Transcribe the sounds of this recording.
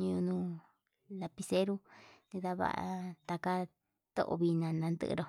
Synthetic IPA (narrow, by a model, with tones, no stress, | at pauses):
ɲũ˧ũ˧nũː˧ | la˧pi˧se˦ɾu˦nĩ˧ða˧βa̰˦˧ʔa̰˧t̪a˧ka˧ | t̪o̰˦ʔo̰˧βi˧nã˨˧nã˧nd̪ɨ̰˦ʔɾo˧